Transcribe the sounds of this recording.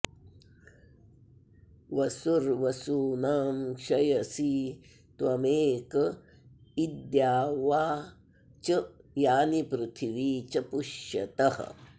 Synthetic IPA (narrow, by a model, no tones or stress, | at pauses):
ʋɐsuɾʋɐsuːnaːmkʃɐjɐsiː | t̪wɐmeːk | id̪jaːʋaː | t͡ʃɐjaːnipɾɪt̪ʰiʋiːt͡ʃɐpuʃjɐ̰t̪ɐhɐ̰